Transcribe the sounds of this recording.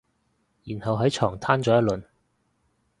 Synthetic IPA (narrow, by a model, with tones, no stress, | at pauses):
jiː˨˩nhɐ˨wɦɐ˨˥jt͡ʃʰɔː˨˩ŋt̪ʰaː˥nt͡sɔː˨˥jɐ˥lɵ˨n